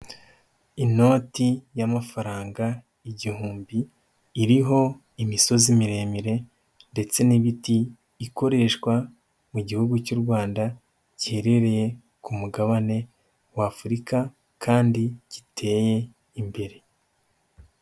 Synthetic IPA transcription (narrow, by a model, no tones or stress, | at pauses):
ino̞ːtijamafaɾaːŋɡa | iɟihuːmbiː | ɾiɦo̞ | imiso̞zimiɾe̞ːmiɾe̞ | nde̞t͡se̞niβitiː | ko̞ɾe̞ʃkwa | muɟihuɡucuːɾɡwaːnda | ɟihe̞ɾe̞ɾe̞je̞ | kumuɡaβane̞ | waːfuɾika | kʰaːndiɟ̥itʰe̞ːje̞ | imbe̞ɾe̞